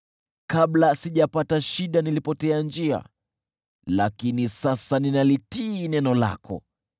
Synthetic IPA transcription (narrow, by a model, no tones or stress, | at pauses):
kaɓlasiʄapataʃiɗanilipɔtɛand͡ʒia̰ | lakinisasaninalitiːnɛnɔla̰kʰɔ̰